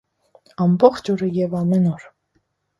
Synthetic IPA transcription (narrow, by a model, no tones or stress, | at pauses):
ɑmbɔχt͡ʃɔɾəjɛvɑmɛnɔɾ